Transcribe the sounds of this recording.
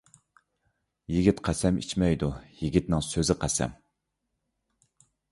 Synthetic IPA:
jiɡʲit̪qʰæsɛmḭt͡ʃmɛjd̪ujiɡʲit̪nɨŋsøzɪqʰæsɛ̰m

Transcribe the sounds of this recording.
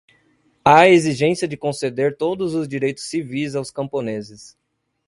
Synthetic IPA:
aeziʒẽsiɐd͡ʒɪkõsed̪eɾt̪od̪ʊzʊzd͡ʒiɾejt̪ʊ̥sːivijzawskɐ̃mponezɪs

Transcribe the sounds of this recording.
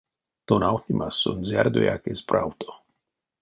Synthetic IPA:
t̪onawt̪imaso̰nzjaɾd̪oḛa̰kesbɾawt̪o̥

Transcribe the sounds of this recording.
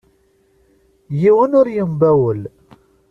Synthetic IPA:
jiwənʊɾjəmbæwəl

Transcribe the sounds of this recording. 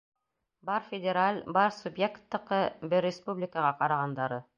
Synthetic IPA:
bɑɾfʲɪdʲɪɾalʲbɑɾsubjekt̪ːɤ̆qɤbɘɾːʲɪspublʲɪkəʁɑqɑɾɑʁɑnd̪ɑɾɤ

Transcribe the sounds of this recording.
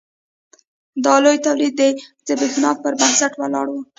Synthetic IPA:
d̪ɑlojt̪awlid̪̚ːed̪əbexnɑf̚pəɾbansaʈwalɑ̰ɽwu

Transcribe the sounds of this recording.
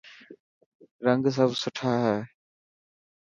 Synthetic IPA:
ɾəŋɡs̬əbsʊʈʰaːɦɛː

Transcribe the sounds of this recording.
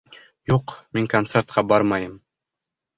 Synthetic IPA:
juqmiŋkont̪sert̪qɑbɑɾmɑjɤm

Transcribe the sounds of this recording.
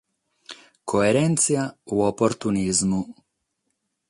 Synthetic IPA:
kʰoeɾent̪sijauopoɾt̪unizmu

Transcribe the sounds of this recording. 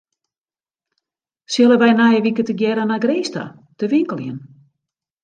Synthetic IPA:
sjɪlˠəʋɛjnajəʋikətəɡjɛɾənaɡreːsta̰ | təʋiŋkəlˠjən

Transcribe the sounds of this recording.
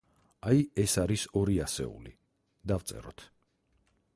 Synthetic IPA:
ajɛsaɾisɔɾiasɛ̰ṵli | d̪avt̪sʼɛ̰ɾɔt̪ʰ

